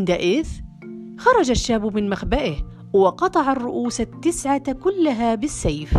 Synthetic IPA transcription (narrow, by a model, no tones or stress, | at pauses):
nd̪aʔɪθ | xɑɾˤɑd͡ʒaʃːaːbmɪnmaxbaʔɪh | wɪqɑt̪ˤɑʕarˤːʊʔuːsat̪ːɪsʕakʊlːaɦaːbɪsːajf